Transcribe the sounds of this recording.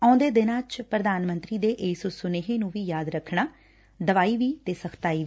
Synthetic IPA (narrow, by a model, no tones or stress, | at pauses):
ə̃ːʊ̃nd̪eːd̪ɪnaːt͡ʃpɾəd̪aːnmənt̪ɾiːd̪eːʔeːsosʊneːɦẽːnũːʋiːjaːd̪ɾəkʰːɳaː | d̪əʋaːiːʋiːt̪eːsəkʰt̪aːiː